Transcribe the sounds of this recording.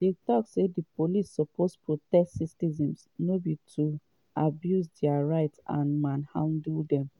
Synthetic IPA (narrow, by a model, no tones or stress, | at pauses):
detɔksedipolisːɔpʰospɹotɛstsistizĩmsnobitʰu | abjusdɛaɹaɪtã̰nmãnhã̰ʊ̃nduldɛ̃m